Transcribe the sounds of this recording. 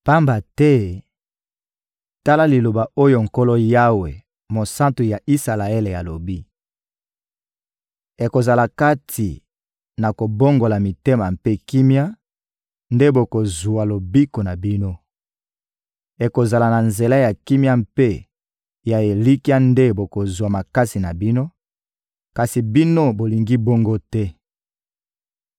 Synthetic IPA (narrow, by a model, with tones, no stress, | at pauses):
pa˦mba˨tɛ˦ | ta˦la˦li˨lo˨ba˨o˦jo˨ŋ̩˨ko˦lo˦ja˦we˨ | mo˨sã˦ntu˨ja˨ʔi˦sa˨la˨e˦le˨ja˨lo˨bi˦ | e˨ko˨za˨la˨ka˦tʰi˨ | na˨ko˨bo˦ŋɡo˨la˨mi˨te˦ma˨mpe˦ki˦mja˦ | nde˦bo˨ko˨zu˨a˨lo˨bi˦ko˨na˨bi˦no˦ | e˨ko˨za˨la˨na˨nze˨la˦ja˨ki˦mja˦m̩pe˦ | ja˨e˨li˦ki˦a˦nde˦bo˨ko˨zwa˨ma˨ka˦si˨na˨bi˦no˦ | ka˨si˨bi˦no˦bo˨li˨ŋɡi˦bo˦ŋɡo˦tɛ˦